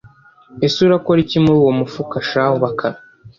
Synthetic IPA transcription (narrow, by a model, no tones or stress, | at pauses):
esuɾakoɾicimuɾuwomufukaʃahoβakʰaɾa